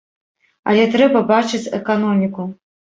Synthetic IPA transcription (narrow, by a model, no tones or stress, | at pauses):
a̰lʲɛt̪ɾɛbɐbat͡ʂɨt͡sʲɛ̰kanɔmʲiku